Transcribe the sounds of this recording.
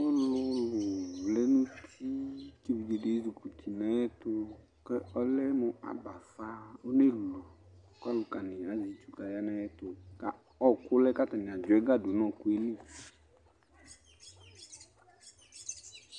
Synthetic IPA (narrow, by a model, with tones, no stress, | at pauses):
ʊ˦lʊ˦lʊ˨vlɛ˦nũ˦t̪i˦t͡ʃe˦vi˨d͡ʒe˨ɖe˨˦zu˨ku˨t̪ʰi˨nã˦jɛ˦t̪ʊ˦ | kɛ˦ɔ˦lɛ˦mʊ̃˨a̰˨ba˨fa˦o˦ne˦lu˨ | ka˦lʊ˨ka˨nɪ̃˨a˨zi˨t͡ʃu˦ka˨ja˦nã˦jɛ˦t̪ʊ˨ka˨ | ɔ˦kʊ˦lɛ˦ka˦t̪a˨nɪ̃˨a˨d͡ʒʊ˨ɛ˦ɡa˦dʊ˨˦nɔ̃˦ku˦e˦li˦˨